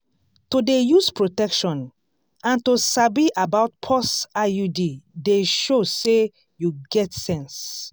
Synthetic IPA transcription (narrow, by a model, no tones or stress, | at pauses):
todejuspʰɹotɛkʃɔ̃n | ãntosabiʔabaʊt̚pʰɔsajudideʃose | juɡɛtsɛ̃ns